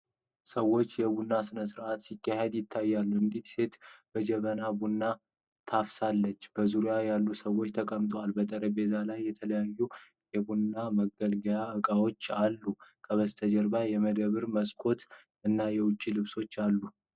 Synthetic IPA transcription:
səwo̞t͡ʃːjɛβunːasɨnəsɨɾʔat̪sikːaɦe̞d̪jɪt̪ʰːajːalːuɨnd̪it̪se̞t̪b̥əd͡ʒɛβənabunːa | t̪ʰafsalːət͡ʃːb̥əzuɾijajalːusəwo̞t͡ʃːt̪ʰəkʼəmt̪ʼoalbət̪ʼəɾəbe̞zalajːɛt̪ʰələjajːu | jɛbunːaməɡəlɡəjaɨkʼawo̞t͡ʃːalːukʰʼəβəst̪ʰəd͡ʒəɾbajɛməd̪əβɨɾməskʼo̞t̪ | ɨnːajɛwʊt͡ʃʼːilɨβso̞t͡ʃːalːu

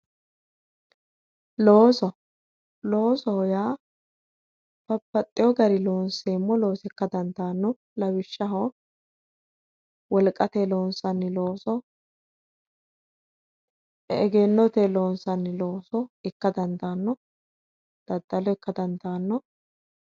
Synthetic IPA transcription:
loːsɔ | lo̞ːsɔhɔjaː | pɐpːɐt̪ʼːɪjɔɡɐɾɪlo̞ːnseːmːɔlo̞ːsɛkːɐd̪ɐnd̪aːnːɔ | lɐwɪʃːɐɦɔ | wɔlkʼːɐt̪elo̞ːnsɐnːɪlo̞ːsɔ | ɛɡeːnːɔt̪elo̞ːnsɐnːɪlo̞ːsɔɪkːɐd̪ɐnd̪aːnːɔ | d̪̥ɐd̪ːɐlɔɛkːɐd̪ɐnd̪aːnːɔ

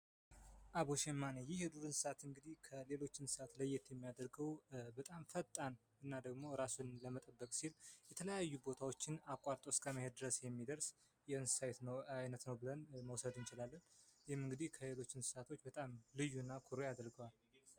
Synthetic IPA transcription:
ʔaβoʃɛmːanejɪhhɨd̪uɾɨnsɨ̥sat̪ɨŋɡɨd̪ihkʰəle̞lo̞t͡ʃːɪnsɨ̥sat̪ləjːɛt̪ʰjɛmːijad̪əɾɡəwbət̪ʼamfət̪ʼːan | ɨnːad̪əɡmo̞ɾasunləmət̪ʼəbːəkʼsiljɛt̪ʰələjajːubo̞t̪ʰawot͡ʃːɪnakʷʼaɾt̪ʼoskʼəməhed̪̚d̪ɨɾəsjɛmːid̪əɾs | jɛɨnsɨ̥sajt̪nəwajnət̪nəwbɨlənməwsəd̪ɨnt͡ʃɪlalːənjɪhɪmːɨŋɡɨd̪ihkʰəle̞lo̞t͡ʃːɪnsɨ̥sat̪ʰo̞t͡ʃːbət̪ʼamlɨjːunːakʰuɾojad̪əɾɡəwal

